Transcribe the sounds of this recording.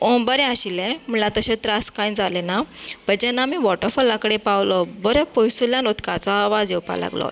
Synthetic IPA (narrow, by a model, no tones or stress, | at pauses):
õbəɾɛ̃aɕilɛ̃m̤əɳlat̪əɕẽt̪ɾaskajnd͡zalenapəd͡ʑɛnːamiʋɔʈəɾfəlãkəɽepawlɔbəɾɛpojsuljãnot̪kat͡sɔaʋad͡zjewpa̰la̰ɡlɔ̰